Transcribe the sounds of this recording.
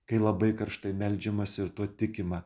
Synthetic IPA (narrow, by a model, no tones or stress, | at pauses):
kɐɪlˠɐbɐɪkɐɾʃt̪ɐɪmʲɛlʲd͡ʒʲɛmɐsʲɪɾt̪uɔt̪ʲɪkʲɪmɑ